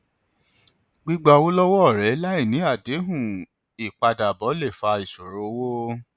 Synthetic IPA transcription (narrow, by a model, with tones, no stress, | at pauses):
ɡ͡bi˦ɡ͡ba˧wo˦lɔ˦wɔ˦ɔ˦˨ɾɛ˨˦la˦i˦˨nĩ˨˦a˦˨de˨˦ɦũ˦˨ | i˨k͡pa˧da˨bɔ˨˦le˦˨fa˧i˨so˨ɾo˨˦wo˦